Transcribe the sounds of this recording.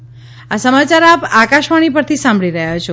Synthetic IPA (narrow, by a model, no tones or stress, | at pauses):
asəmat͡ʃaɾapakaʃʋaɽ̃ipəɾt̪ʰisãmbɭiɾəɦjat͡ʃʰo